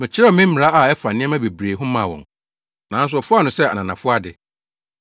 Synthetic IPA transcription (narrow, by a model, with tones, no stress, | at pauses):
mɪ̃˨t͡ɕʰɪ˦ɛ˦˨mɪ̃˦m̩˦mɪ˨ɾa˦ʔa˨ɛ˦fa˨nɪ̃˦ɛ̃˦mæ̃˦be˨bɾeː˨ɦʊ̃˦mã̰˨wɔ̰̃˨n | nã˨n˦s̬ʊ˨ɔ˨fʊ˦a˦nʊ̃˨sɛ˦a˨nã˨nã˨fʊ˦a˦dɪ˨